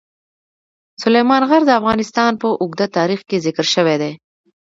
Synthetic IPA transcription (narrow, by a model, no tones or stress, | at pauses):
sʊlejmɑnɣaɾd̪əafɣɑnɪst̪ɑnpəʔʊɡd̪at̪ɑɾixkezɪkɾʃəwed̪e